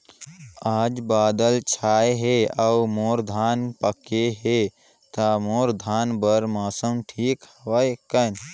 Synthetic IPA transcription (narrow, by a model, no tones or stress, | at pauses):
aːd͡ʒbaːd̪əlt͡ʃʰaːjɦeaumoːɾd̪ʱaːnpəkeɦe | t̪amoːɾd̪ʱaːnbəɾmaːsəmʈʰiːkhəʋəjkən